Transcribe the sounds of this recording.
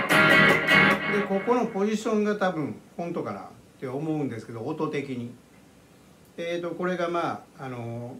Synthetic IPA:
d̪eko̞ko̞no̞po̞ʑiɕõ̞ŋɡat̪abɯ̟̃ɴ̃hõ̞nt̪o̞kana̰ | t̪ːe̞omo̞ɯ̟̃nd̪esɨ̥ke̞d̪oːt̪ot̪e̞kʲiɲ̟i | eːt̪o̞ko̞ɾe̞ɡamaːno̞

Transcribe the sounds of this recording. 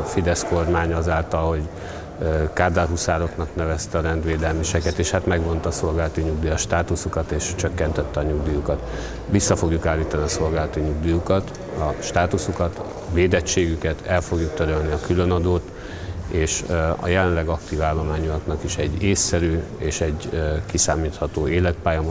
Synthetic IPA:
fid̪ɛsko̞rmaːɲɒzaːlt̪ɒlho̞ɟ | kaːd̪alɦusaːɾo̞knɒknɛvɛst̪ɛːɾɛnd̪ʋeːd̪ɛlmiʃɛkɛt̪eːʃhat̪mɛɡʋo̞nt̪ɒːso̞lɡaːlɒt̪iɲuɡd̪ijɒʃt̪aːt̪usukɒt̪eːʃt͡ʃø̞kːɛnt̪ɛt̪ːɛɒɲuɡd̪ijukɒt̪ | ʋisːɒfo̞ɡjukaːlːiːt̪ɒniɒso̞lɡaːlɒt̪iɲuɡd̪ijukɒt̪ | ɒʃt̪aːt̪usukɒt̪ | veːd̪ɛt͡ʃːeːɡykɛt̪ʰɛlfo̞ɡjukt̪øɾølniɒkylønɒd̪oːt̪ | eːʃɒ̰jɛlɛnlɛɡɒkt̪iːvaːlːo̞maːɲuknɒkiʃɛɟːeːsːɛɾyːeːʃɛɟkisaːmiːt̪hɒt̪oːeːlɛt̪̚paːjɒm

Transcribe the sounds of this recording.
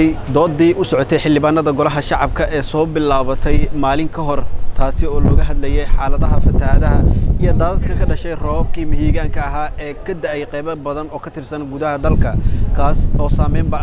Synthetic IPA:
jd̪ɔːd̪ːiːʔʊsɔʕɔt̪ʰɛjħɪlːɪβaːnɐðɐɡɔlɐɦɐʃɑʕɑbkʰɐʔɛːsɔːbɪlaːβɐt̪ʰɛjmaːlɪŋkʰɐɦɔrt̪ʰaːsɪɔːlɔːɣɐɦɐd̪lɛjɛjħɑːlɐðɐɦɐfɐt̪ʰɐðɐɦɐijɔd̪aːðɐd̪̚kʰɐkʰɐɖɐʃɛjrɔːb̚kʰiːmɪɦiːɣaːŋkʰɐɐɦaːʔɛːkʰɐd̪ɐʔɛjqɛjβɐbɐðɐnɔːkʰɐt̪ʰɪrsɐnɡʊðɐɦɐd̪ɐlkʰɐkʰaːsɔːsaːmɛjmbɐ

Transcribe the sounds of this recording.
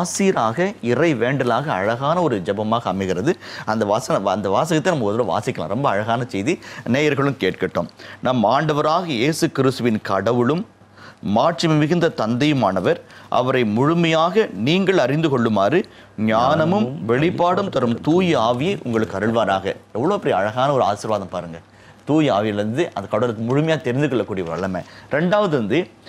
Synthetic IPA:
aːsiːɾaːɣɐɪrɐɪʋeːɳɖɐlaːɣɐɐɻɐɣaːnɐɔɾɯd͡ʒɛbɐmaːɣɐɐmɪɣɪɾɐðɯɐnd̪ɐʋaːsɐnɐɐnd̪ɐʋaːs̬ɐɣɐt̪ːɐnɐmːɐkɔðɯɾɐʋa̰ːsɪkːɐlã̰ːɾɔmbɐɐɻɐɣaːnɐsɛjðineːjɐɾɣɐɭɯmkeːʈ̚kɐʈːo̰ːmnaːmaːɳɖɐʋɐɾaːɣɐjeːsɯkɪɾɪst̪ɯʋɪnkɐɽɐʋɯɭɯmː | aːʈrɪmɪmɪɣɪnd̪ɐt̪ɐnd̪ɐjɯmaːnɐʋɐɾʔɐ̰ʋɐɾɐɪmʊɻʊmɐjaːɣɐniːŋɡɐɭɐɾɪnd̪ɯkɔɭːɯmaːrɯ | ɲaːnɐmɯmʋɛɭɪpːaːɽɯmt̪ɐɾɯmt̪uːjɯaːʋɪjɐɪʔʊ̰ŋɡɐɭɯkːɐɾɯɭʋaːɾaːɣɐɛʋːɐɭoːɐpːɐɽiɐɻɐɣaːnɐɔɾɯa̰ːsɪɾʋaːðɐmpaːɾɯŋɡɐ | t̪uːjaːʋɪjɐlɾɯnd̪ɯʔɐnd̪ɐkːɐɽɐʋɐlɯkːɯmʊɻʊmɐjaːɐt̪ɛɾɪnd̪ɯkɔɭːɐkːuːɽijɐʋɐ̰ɭɐmɛ̰ɾɛɳɖaːʋɐðɯɾɐnd̪ɯ

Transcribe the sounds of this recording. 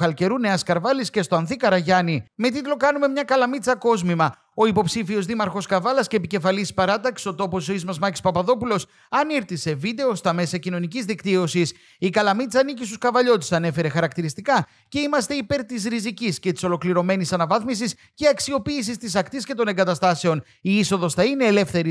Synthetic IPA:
xɐlce̞ɾune̞ɐskɐɾvɐlisce̞st̪o̞ɐnθikɐɾɐʝɐnime̞t̪̬it̪lo̞kɐnume̞mɲɐkɐlɐmit͡sɐko̞zmimɐ | o̞ipo̞psifio̞zðimɐɾxo̞skɐvɐlɐsce̞ːpice̞fɐlispɐɾɐt̪ɐksio̞t̪o̞po̞soizmɐzmɐci̥spɐpɐðo̞pulo̞s | ɐniɾθise̞vid̪e̞o̞st̪ɐme̞sɐcino̞nicizðikt̪io̞sis | ikɐlɐmit͡sɐːnicist̪u̥skɐvɐʎo̞t̪e̥sɐne̞fe̞ɾe̞xɐɾɐkt̪iɾist̪ikɐ | ce̞imɐst̪eipe̞ɾt̪izɾiziciscet̪i̥so̞lo̞kliɾo̞me̞nisɐnɐvɐθmis̬is | ceɐksio̞piːs̬ist̪is̬ɐkt̪isce̞t̪o̞ne̞ŋɡɐt̪ɐst̪ɐse̞o̞n | iiso̞ðo̞sθɐine̞ːle̞fθe̞ɾi

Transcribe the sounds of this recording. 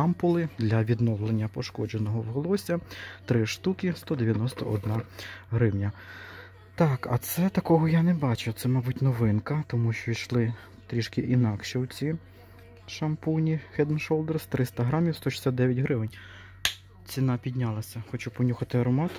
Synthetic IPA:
ɑmpʊlˠɪd̪lʲɐʋʲid̪nɔwlˠenʲːɐpɔʃkɔd͡ʒenɔɦɔwɦɔlˠɔsʲɐt̪ɾɪʃt̪ukɪst̪ɔd̪eʋʲjɐnɔst̪ɐʔɔd̪nɑɦɾɪwnʲɐ | t̪ɑkɐt̪sɛt̪ɐkɔɦɔjanɛbɑt͡ʃʊt̪sɛmɑbutʲnɔʋɪnkɐt̪ɔmuʃt͡ʃɔiʃlˠɪ | t̪ɾʲiʃkɪʔinɑkʃɛwt͡sʲi | ʃɐmpunʲixɛd̪nʃɔlˠd̪erst̪ɾɪst̪ɐɦɾɑmʲiwst̪ɔʃɪ̥sʲatd̪d̪ɛʋʲjɐtʲɦɾɪʋɪnʲ | t͡sʲinɑpʲid̪ʲnʲɑlˠɐsʲɐxɔt͡ʃupɔnʲuxɐt̪ɪɐɾɔmɑt̪

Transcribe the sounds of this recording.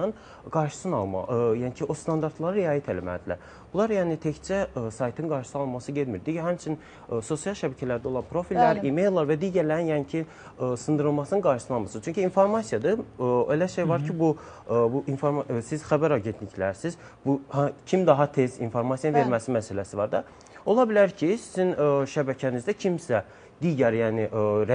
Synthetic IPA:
ɯn | ɡɑɾʃɯ̥sɯnɑlˠm̰jæncʰiʔo̞st̪ʰɑnd̪ɑɾt̪ʰlˠɑɾɯɾɛjɑːjit̪ʰelæmæ̰ld̪ilæ̰ɾ | b̥ulˠɑɾjæːnit̪ʰect͡ʃʰæsɑjt̪ʰɯnɡɑɾʃɯ̥sɯɑlˠmɑsɯɟed̪miɾd̪iɟæɦæmt͡ʃʰin | so̞sjɑlˠʃæbæcʰælæɾd̪æo̞lˠɑnpʰɾo̞filʲːæɾimejlˠːɑɾvæd̪iɟæɾlæɾinjæncʰi | sɯnd̪ɯɾɯlˠmɑsɯnɯnɡɑɾʃɯsɯnɑlˠmɑsɯnt͡ʃʰyɲcʰyːnfo̞ɾmɑsijɑd̪ɯbelæʃejvɑɾcʰibu | buʔinfoɾmɑsiz̥xæbæɾɑɟent̪licʰlæɾsiz | buhcʰimd̪ɑɦɑt̪ʰezinfo̞ɾmɑsjɑaveɾmæsimæsælæsivɑɾd̪ɑ | o̞lˠɑbilʲæɾcʰisizinʃæbæcʰænizd̪æcʰimsæ | d̪iːɟæɾjæːniʔɾæ

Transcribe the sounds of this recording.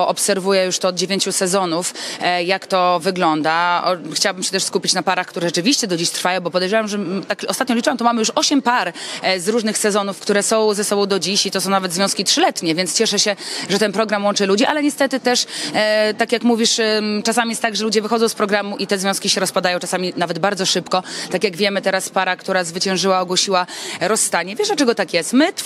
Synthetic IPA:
ɔpsɛɾvujɛjuʂt̪ɔːd̪d͡ʑevʲjeɲt͡ɕusɛzɔnufjakt̪ɔvɘɡlɔnd̪aɔ̰xt͡ɕawabɘmɕɛt̪ɛʂskupʲit͡ɕnapaɾaxkt̪uɾɛʐɛt͡ʂɘvʲiɕt͡ɕɛd̪ɔd͡ʑiɕt̪ɾfajɔ̃w̃bɔpɔd̪ɛjʐɛwamʐɛt̪akɔst̪at̪ɲɔlʲit͡ʂɨwamt̪ɔmamɘjuʂɔɕɛmpaɾzɾuʐnɘxsɛzɔnufkt̪uɾɛsɔ̃w̃zɛsɔbɔ̃w̃d̪ɔd͡ʑiɕit̪ɔsɔ̃w̃navɛd̪zvʲjɔ̃skʲitʂɘlɛt̪ɲɛvʲjɛnt̪st͡ɕɛʂɛɕɛʐɛt̪ɛnpɾɔɡɾamwɔnt͡ʂɘlud͡ʑiʔalɛɲɛst̪ɛt̪ɘt̪ɛʂ | t̪akʲjakmuvʲiʂt͡ʂasamʲijɛst̪t̪aɡʐɛlud͡ʑɛvɘxɔd̪zɔ̃wspɾɔɡɾamuʔit̪ɛzvʲjɔ̃skʲiɕɛɾɔspad̪ajɔ̃w̃ʈ͡ʂasamʲinavɛd̪baɾd̪zɔʂɘpkɔt̪akʲjaɡvʲjɛmɘt̪ɛɾaspaɾakt̪uɾazvɘt͡ɕɛ̃wʐɘwaɔɡwɔɕiwaɾɔsːt̪aɲɛvʲjɛʂdlat͡ʂɛɡɔt̪akjɛst̪mɘt̪

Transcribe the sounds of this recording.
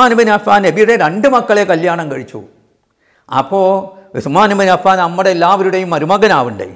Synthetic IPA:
aːnɐmbɐnɐfaːnebijuɽeɾeɳɖɨmɐkːɐɭekɐljaːɳɐmkɐɻit͡ɕːṵ | ɐ̰pːoːismaːnɐmbɐnɐfaːnnɐmːɐɽeːlːaːʋɐɾuɽejumːɐɾumɐɣɐnaːʋɨɳɖɨ̰

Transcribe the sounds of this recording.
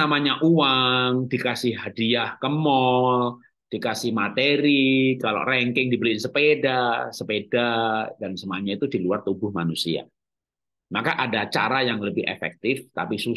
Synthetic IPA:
amaɲaʔuwaŋdikasɪhɦadiahkəmɔl | d̥ikasɪhmat̪eɾikalo̰ʔrɛŋkɪŋdibəlinsəpedasəpedadansəmaɲait̪udiluart̪ubʊhmanusia̰ | makaʔadat͡ʃa̰ɾajaŋləbɪhḛfɛ̰k̚t̪ɪft̪a̰pisu

